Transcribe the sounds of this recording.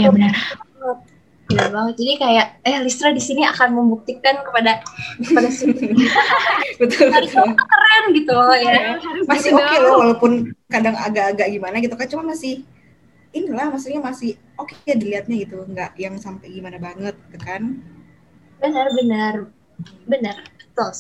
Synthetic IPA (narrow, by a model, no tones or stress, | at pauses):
jabənərbaŋət̪̚ | bənarbaŋət̪̚d͡ʒadikajaʔɛhlist̪ɾadisinia̰kanməmbuk̚t̪ikankəpadaəpadasu | bət̪ʊlɾkək̪əɾanɡit̪ujamasɪhokelawalopʊnkadaŋa̰ɡaʔːɡaʔɡimanaɡit̪ukant͡ʃumanmasɪh | inilahmasuɲamasɪh | okejadiliɦat̪̚ɲaɡit̪uŋɡaʔjaŋsampaɡimanabaŋət̪̚t̪əkan | bənərbənər | bənərbət̪ʊl